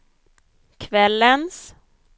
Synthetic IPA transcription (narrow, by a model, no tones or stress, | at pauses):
kʰvɛlːəns